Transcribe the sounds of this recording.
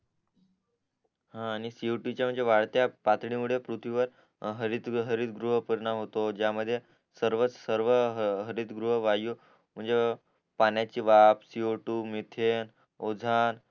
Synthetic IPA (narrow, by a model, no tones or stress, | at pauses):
hãːɽ̃isioʈut͡ɕjam̤əɳd͡zeʋaɽt̪japat̪ɽimuɽ̤epɾut̪ʰʋiʋəɾ | ɦəɾit̪ɦəɾiːt̪̚ɡɾuɦəpəɾɳaɦot̪od͡ʑjaməd̪ʱːje | səɾʋət͡ssəɾʋəɦɦəɾiːt̪ɡɾuɦəʋaju | m̤əɳd͡ze | panjat͡ɕiːʋapsioʈuːmit̪ʰen | od͡zʱan